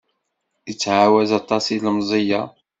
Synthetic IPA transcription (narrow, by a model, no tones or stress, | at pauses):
jət͡sːʕawæzɑt̪ˤːɑsilmzˤəjɑ